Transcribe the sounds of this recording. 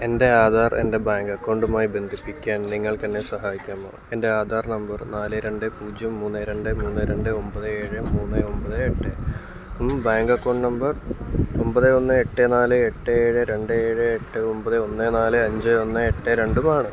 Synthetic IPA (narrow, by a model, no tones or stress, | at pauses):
e̞nde̞aːd̪ʱaːrḛnde̞baːŋɡɐkːoːɳɖumaːjibe̞nd̪ʱipːikʲːaːnniŋːɐɭk̪ɐnːe̞sɐɦaːjikʲːumːo̰ːe̞nde̞aːd̪ʱaːrnɐmbɐrnaːlɨɾe̞ɳɖɨpuːd͡ʑɐmːuːnːɨɾe̞ɳɖɨmuːnːɨɾeɳɖɨo̞mbɐðɨeːɻɨmuːnːɨo̞mbɐðɨeʈːɨ | umbaːŋɡɐkːoːɳɖnɐmbɐrombɐðɨo̞nːɨeʈːɨnaːlɨeʈːɨeːɻɨɾe̞ɳɖɨeːɻɨeʈːɨompɐðɨo̞nːɨnaːlɨɐɲd͡ʑɨo̞nːɨeʈːeɾe̞ɳɖumaːɳɨ